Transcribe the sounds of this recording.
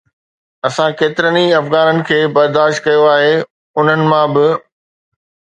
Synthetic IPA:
ɐsãkeːt̪ɪɾəniɐfɣaːnənɪ̆kʰeːbɐɾd̪aːʃt̪̚kɐjoaːɦeː | ʊn̤ənɪ̆mãbɪ

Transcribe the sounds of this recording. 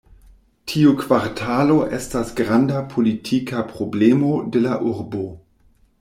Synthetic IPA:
tʰiukv̥aɾtʰalo̞ʔestasɡʁandapʰolitʰikapʁo̞blemo̞delaʔuɾbo

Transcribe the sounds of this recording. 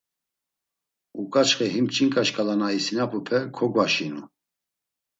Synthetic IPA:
ukʼat͡ʃχɛɦimt͡ʃʼiŋkʼaʃkʼalanaisinapʰupʰɛkʰɔɡwaʃinu

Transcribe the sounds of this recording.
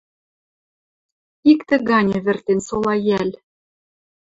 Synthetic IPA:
ikt̪ɘ̆ɣɑnʲĕβɘ̆rt̪ensolɑjælʲ

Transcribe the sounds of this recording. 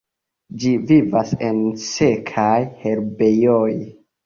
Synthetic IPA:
d͡ʒivivase̞nse̞kʰajhe̞ɾbejoj

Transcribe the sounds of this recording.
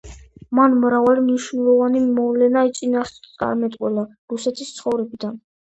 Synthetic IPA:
manmɾavalimniʃnɛlˠɔvanimɔvlɛnait̪sʼinast̪ʼa̰ɾmɛt̪ʼqʼwɛla | ɾusɛt̪ʰist̪sʰχɔvɾɛbid̪an

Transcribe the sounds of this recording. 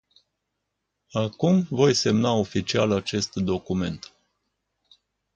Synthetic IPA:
akumvo̞jse̞mnao̞fit͡ʃialat͡ʃe̞st̪d̪o̞kume̞nt̪

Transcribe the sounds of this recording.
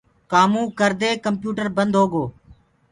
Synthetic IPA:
kaːmũːkəɾd̪eːkəmpjuːʈəɾbənd̪ʱɦoːɡoː

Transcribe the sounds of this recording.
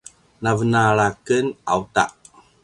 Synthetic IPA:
navənaɭakəna̰wta̰ʔ

